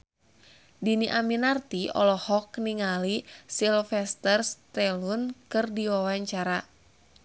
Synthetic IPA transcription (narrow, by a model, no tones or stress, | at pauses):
diniʔaminart̪iɔ̰lɔhɔkniŋalisilfɛst̪ərst̪ɛlunkɨrdiwawaɲt͡ʃaɾa